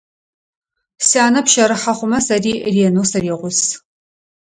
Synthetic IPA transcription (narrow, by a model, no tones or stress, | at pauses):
siaːnɐpʃɐɾɨħɐχʷʊmɐsɐriːriːnuːsɐɾiːʁʷʊs